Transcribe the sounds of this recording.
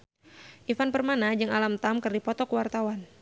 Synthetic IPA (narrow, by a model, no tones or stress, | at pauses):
ʔifanpərmanad͡ʒɨŋalamt̪amkɨrdipɔt̪ɔkəwart̪awan